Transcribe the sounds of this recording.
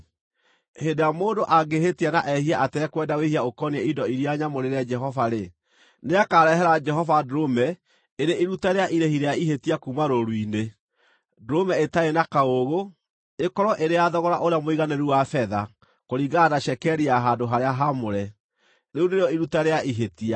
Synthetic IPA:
hedeamoːndoʔaɡeɦetianaʔɛhiaʔatɛːkwɛdawehiaokɔniɛidɔiɾiaɲamoɾeɾɛd͡ʒɛɦɔvaɾe | neakaɾɛɦɛɾad͡ʒɛɦɔvadɾomɛ | eɾeʔiɾutaɾeaʔiɾehiɾejaiɦetiakumaɾoɾwine | dɾomɛetaenakaoɣo | ekɔɾɔʔeɾeaðɔɣɔɾaʔoɾeamoiɣanɛɾuwafɛða | koɾiɡanaʃɛkɛɾiaɦadoɦaɾeaɦamoɾɛ | ɾeuneɾeɔiɾutaɾeaʔiɦetia

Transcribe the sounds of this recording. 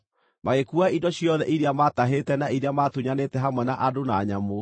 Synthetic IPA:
maɣekuaindɔɕjɔðɛʔiɾeamataɦetɛnaiɾeamatuɲanetɛɦamwɛnaʔadonaːɲamo

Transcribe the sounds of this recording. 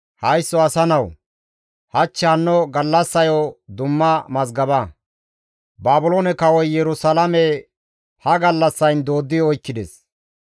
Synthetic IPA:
hɐjsːɔɐsɐnɐw | hɐt͡ʃːɛɐnːɔɡɐlːɐsːɐjɔd̪ʊmːɐmɐzɡɐbɐ | baːbʊloːnɛkɐwɔjjɛɾʊsɐlɐmɛ | hɐɡɐlːɐsːɐjnd̪o̞ːd̪ːɪjɔjkːɪd̪ɛs

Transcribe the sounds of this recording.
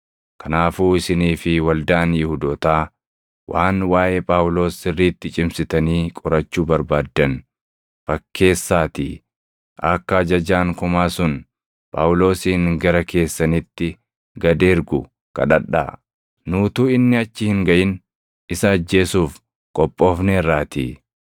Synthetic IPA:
kɐnaːfuːɪsɪniːfɪwɐld̪aːnjɪhʊd̪ɔːt̪aː | wʔaːnwaːʔeːpʼaːwʊlo̞ːsɪrːiːt̪ːɪt͡ʃʼɪmsɪt̪ɐniːkʼɔɾɐt͡ʃːuːbɐɾbaːd̪ːɐn | fɐkʰːe̞ːsːaːt̪i | ʔɐkːɐɐd͡ʒɐd͡ʒaːŋkʊmaːsʊn | pʼa̰ːwlo̞ːsiːŋɡɐɾɐkʰe̞ːsːɐnɪt̪ːɪ | ɡɐd̪e̞ːɾɡʊ | kɐ̰ᶑɐᶑa̰ː | nuːt̪uːɪnːɪɐt͡ʃːɪhɪŋɡɐʔɪn | ɪsɐːd͡ʒːe̞ːsuːf | kʼɔpʼːo̞ːfneːrːaːt̪ḭ

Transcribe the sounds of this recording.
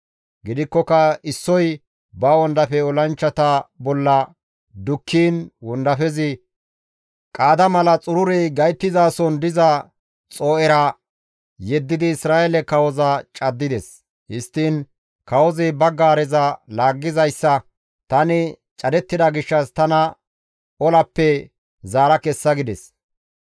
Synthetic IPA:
ɡɪd̪ɪkːɔkːɐɪsːɔj | bɐwɔnd̪ɐfɛɔlɐnt͡ʃːɐt̪ɐbɔlːɐ | d̪ʊkʰːiːnwɔnd̪ɐfɛzɪ | kʼaːd̪ɐmɐlɐt͡sʼʊɾʊɾɛjɡɐjt̪ːɪzaːsɔnd̪ɪzɐ | t͡sʼoːʔɛɾɐ | jɛd̪ːɪd̪ɪːsɾaːʔɛlɛkɐwɔzɐt͡ʃʼɐd̪ːɪd̪ɛs | hɪst̪ːiːn | kɐwɔzɪbɐɡaːɾɛzɐlaːɡːɪzɐjsːɐ | t̪ɐnɪ | t͡ʃʼɐd̪ɛt̪ːɪd̪ɐɡɪʃːɐst̪ɐnɐ | ɔlɐpːɛ | zaːɾɐkɛsːɐɡɪd̪ɛs

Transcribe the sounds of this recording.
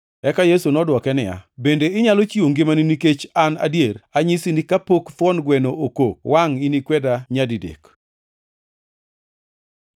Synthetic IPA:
ɛkajesunɔdwɔkɛnɪja̰bendeɪɲalot͡ʃioŋɡɪmaniniket͡ʃana̰djeɾaɲisinikapokt̪ɔnɡwɛnoʔokokwaŋinikwɛdaɲadidḛk

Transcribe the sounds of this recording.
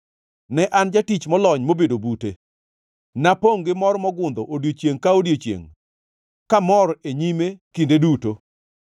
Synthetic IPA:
nɛʔand͡ʒatit͡ʃmɔlɔɲmobedobute | napoŋɡɪmɔɾmɔɡʊnd̪ɔʔodjot͡ʃjeŋkaodjot͡ʃjḛŋ | kamɔɾeɲimekindeduto

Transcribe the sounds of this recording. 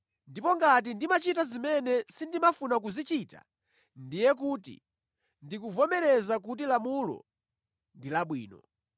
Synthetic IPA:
ndipɔŋɡat̬indimat͡ʃitazimɛnɛsindimafunak̬uzit͡ʃita̰ | ndijɛk̬uːtḭ | ndikuvɔmɛɾɛzak̬ut̬ilamulɔ̰ | ndilaɓwḭːnɔ

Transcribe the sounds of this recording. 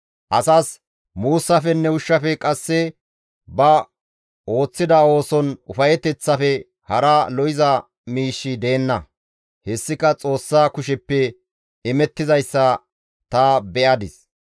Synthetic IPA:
ʔɐsaːs | muːsːɐfɛnːɛʊʃːɐfɛkʼɐsːɛ | bɐ | o̞ːt͡sːɪd̪ɐo̞ːsɔnʊ̰fɐjɛt̪ɛt͡sːɐfɛ | hɐɾɐlɔjɪzɐ | miːʃːɪd̪e̞ːnːɐ | hɛsːɪkɐt͡sʼo̞ːsːaːkʊʃɛpːɛ | ɛmɛt̪ːɪzɐjsːɐ | t̪ɐːbɛʔɐd̪ɪs

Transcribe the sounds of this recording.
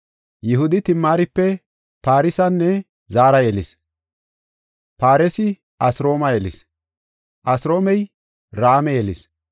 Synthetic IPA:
jɪhʊd̪ɪt̪ɪmːaːɾɪpːɛ | paːɾɪsɐnːɛ | zaːɾɐjɛlɪs | paːɾɛsɪ | ʔɐsɾo̞ːmɐjɛlɪ̰s | ʔɐsɾo̞ːmɛj | ɾaːmɛjɛlɪs

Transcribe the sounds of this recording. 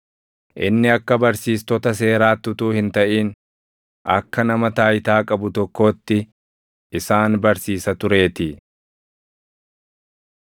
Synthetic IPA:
ʔɪ̰nːɪɐkːɐbɐɾsiːst̪ɔt̪ɐs̬e̞ːɾaːt̪ːʊt̪uːhɪnt̪ɐʔiːn | ʔɐkːɐnɐmɐt̪aːjɪt̪aːkʼɐbʊt̪ɔkːo̞ːt̪ːɪ | ɪsaːnbɐɾsiːsɐt̪ʊɾe̞ːt̪ɪ

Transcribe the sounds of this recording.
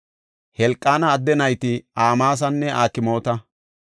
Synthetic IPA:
hɛlkʼːaːnɐːd̪ːɛnɐjt̪ɪaːmaːs̬ɐnːɛʔaːkɪmo̞ːt̪ɐ

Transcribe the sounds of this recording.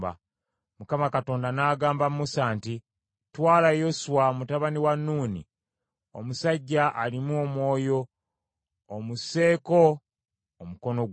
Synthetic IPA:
ba̰ | mukamakato̞ːndanaːɡaːmbammusaːnti | twaːlajo̞suwamutaβaniwanːuːnḭ | o̰musaɟːaʔalimuo̞mwo̞ːjo̞ː | muse̞ːko̞ | omuko̞no̞

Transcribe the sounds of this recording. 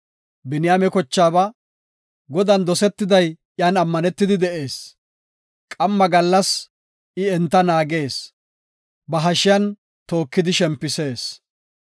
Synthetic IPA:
bɪnɪjamɛkɔt͡ʃːaːbɐ | ɡɔd̪ɐnd̪ɔsɛt̪ːɪd̪ɐj | jaːnɐmːɐnɛt̪ːɪd̪ɪd̪ɛʔe̞ːs | kʼɐmːɐɡɐlːɐs | ʔɪɛnt̪ːɐnaːɡe̞ːs | bɐɦɐʃɪjɐn | t̪o̞ːkːɪd̪ɪʃɛmpːɪse̞ːs

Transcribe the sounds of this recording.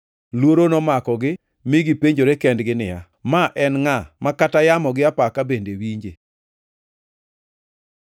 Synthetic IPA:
lwoɾonɔmakɔɡɪ | mɪɡipeɲd͡ʒoɾekɛndɡɪnɪja | maʔɛnŋamakatajamɔɡɪapakabendewiɲd͡ʒe

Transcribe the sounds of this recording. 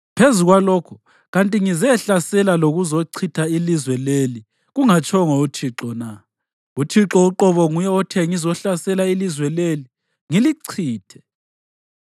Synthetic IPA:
pʰezuɣwalɔːkʰu̥ | ɣantʼiŋizɛɬasɛlaloɣuzoǀʰitʰailizwɛleli | ɣuŋat͡ʃʰʼɔŋɔutʰiǁɔna | utʰiǁɔuǁɔβɔŋujɛɔtʰɛŋizɔɬasɛlailizwɛleli | ŋiliǀʰiːtʰɛ̥

